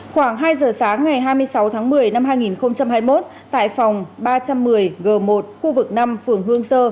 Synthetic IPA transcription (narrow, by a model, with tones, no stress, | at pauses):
xwaː˧˩ŋɦaː˧jzəː˨˩saː˨˦ŋːa˨˩jɦaː˧jmɨ˧əjsa˨˦wt̪ʰaː˨˦ŋmɨ˨˩əjna˧mɦaː˧jŋi˨˩nxə˧wŋ͡mt͡ɕa˧mɦaː˧jmo˦˥t̚ | t̪a̰ː˧˨jfa˨˩wŋ͡mɓaː˧t͡ɕa˧mːɨ˨˩əjɣəː˨˩mo˨˩t̚xu˧vɨ˨˩k̚na˧mfɨ˨˩əŋɦɨ˧əŋsəː˧